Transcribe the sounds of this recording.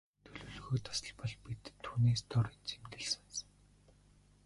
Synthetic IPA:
t̪ʰɵɮɵːɮɣoːt̪ʰḁsə̆ɮpɔɮpit̪ʰːuːneːst̪ʰɔrit͡sʰemt̪ɘ̆ɮs̆nsŋ

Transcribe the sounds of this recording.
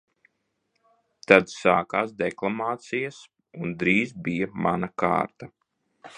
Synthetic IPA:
t̪ad̪saːkaːs̬d̪ɛklˠamaːt̪sijas | und̪ɾiːzbijamanaka̰ːɾt̪a

